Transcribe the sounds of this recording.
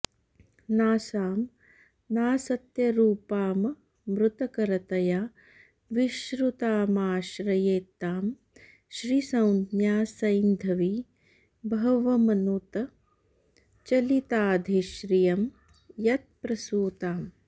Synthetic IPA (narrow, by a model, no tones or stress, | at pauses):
naːsaːm | naːsɐt̪jɐɾuːpaːm | mɾut̪ɐkɐɾɐt̪ɐjaː | ʋiʃɾut̪aːmaːʃɾɐjeːt̪ːaːm | ʃɾiːsɐwnd̪jaːsɐjnd̪ʱɐʋi | bʱɐʋɐmɐnut̪ɐ | t͡ʃɐlit̪aːd̪ʱiʃɾijɐm | jɐt̪̚pɾɐsuːt̪aːm